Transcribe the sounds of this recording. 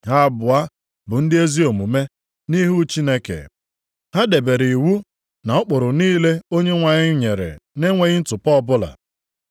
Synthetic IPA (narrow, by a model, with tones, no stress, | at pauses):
ɦa˦bʊ˨a˦ | bʊ˨n̩˦dɪ˦e˦zi˦o˨mu˨me˦ | ni˦ɦu˦t͡ʃi˦ne˦kḛ˨ | ha˦de˨be˨ɾi˨wu˦ | na˨ʊ˦k͡pʊ˨ɾʊ˨niː˦le˦o˦ɲe˦ŋʷa˨ɲɪ˦ɲe˨ɾḛ˨ne˦ŋʷe˨ɣɪ˦n̩˦tʊ˨pɔ˦ɔ˦bʊ˦la̰˨